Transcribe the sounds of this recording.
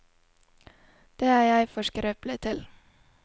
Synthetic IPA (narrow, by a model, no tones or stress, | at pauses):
d̪̥eːæːjæɪfɔʃkəɾøːplət̪ʰɪl